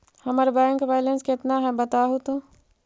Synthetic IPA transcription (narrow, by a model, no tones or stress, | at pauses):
hɐmaːɾebaːə̃ŋkʋaːlənskɪt̪naɦɛbɐt̪aɦut̪õ